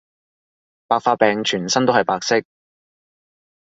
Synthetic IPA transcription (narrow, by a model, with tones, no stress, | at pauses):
paː˨k̚faː˧t̚pɛː˨ŋt͡ʃʰyː˨˩nsɐ˥nt̪o˥hɐ˨jpaː˨˧k̚sɪ˥k̚